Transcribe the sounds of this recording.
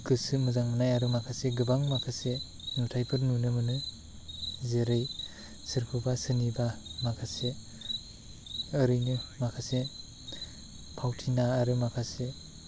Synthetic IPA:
ɡɯsɯmɯzaŋnajaɾɯmakʰaseɡɯbaŋmakʰase | nutʰajpʰɯɾnunɯmɯnɯ | zeɾɯj | sɯɾkʰubasɯnibamakʰase | ɯɾɯjnɯmakʰase | pʰawtʰinaːɾɯmakʰase

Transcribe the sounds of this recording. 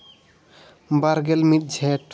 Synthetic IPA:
baɾɡelmit̪̚d͡ʒʱɛʈ

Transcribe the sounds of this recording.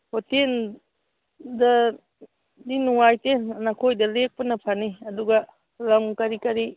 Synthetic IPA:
hoten | dɐ | dinuŋajtennɐkʰojdɐlek̚pɐnɐpʰaniɐduɡɐ | lɐmkɐɾikɐɾi

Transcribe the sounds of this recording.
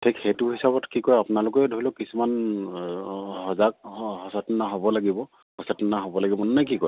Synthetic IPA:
tʰikhetʊɦisabɔtkikɔjapʊnalʊkɛdʱoilɔkisuman | ɦɔzak̚hɔsatnaɦobɔlaɡibɔ | hɔsatɔnaɦobɔlaɡibɔnnajk̬ikɔɹ

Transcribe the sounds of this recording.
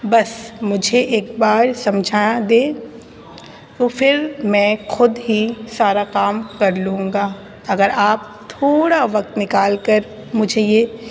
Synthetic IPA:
bɐsmʊd͡ʒʱeʔeːkbaːɾsɐ̃md͡ʒʱaːjãd̪eː | t̪oːfɪɾmɛ̃ːxʊd̪ɦisaːɾakaːmkɐɾlũːŋɡaː | ɐɡəɾaːp̚t̪ʰoːɽaʋɐk̚t̪nɪkaːlkəɾ | mʊd͡ʒʱejeː

